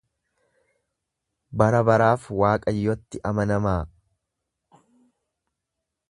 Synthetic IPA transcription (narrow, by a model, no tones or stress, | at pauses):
bɐɾɐbɐɾaːfwaːkʼɐjːɔt̪ːɪʔɐmɐnɐmaː